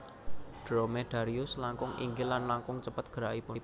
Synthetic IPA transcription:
ɖ̥ɾomed̥aɾiʊslaŋkʊŋʔḭŋɡɪlːanlaŋkʊŋt͡ʃəpət̪̚ɡ̥ə̤ɾaʔipʊ

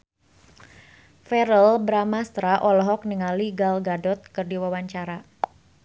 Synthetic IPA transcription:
fɛɾəlbɾamast̪ɾaʔɔlɔɦɔk̚niŋaliɡalɡadɔt̪̚kɨrdiwawaɲt͡ʃaɾa

